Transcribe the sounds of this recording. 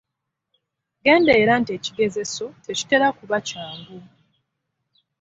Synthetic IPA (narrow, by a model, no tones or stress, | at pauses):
ɡe̞ːndeːɾaːntie̞ːciɡe̞ze̞so̞teci̥te̞lakuβacaːŋɡu